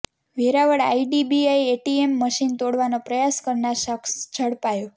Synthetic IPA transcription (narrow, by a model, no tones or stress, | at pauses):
ʋeɾaʋəɽa̰iɖibiaieʈiemːəʃint̪oɽʋanopɾəjaskəɾnaɾʃəksd͡ʒʱəɽpajo